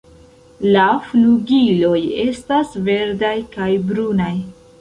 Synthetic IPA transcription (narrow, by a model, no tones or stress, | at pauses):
lafluɡilo̞je̞stasve̞ɾdajkajbɾunaj